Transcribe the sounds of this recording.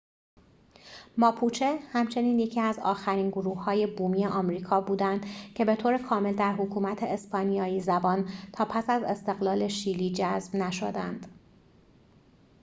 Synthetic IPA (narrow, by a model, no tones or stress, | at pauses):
mɒːpʰuːt͡ʃʰehæmt͡ʃʰe̞niːnje̞cʰiːæzɒ̰ːxæɾiːnɡoɾuːhːɒːje̞buːmiːeʔɒːmɾiːkʰɒːbuːd̪ænd̪̥cʰe̞be̞t̪ʰoːɾe̞kʰɒːme̞ld̪æɾɦokʰuːmæt̪ʰe̞ːspɒːnijɒːiːzæbɒːnt̪ʰɒːpʰæsæze̞st̪e̞ɣlɒːle̞ʃiːliːd͡ʒæzbnæʃo̰d̪ænd̪̥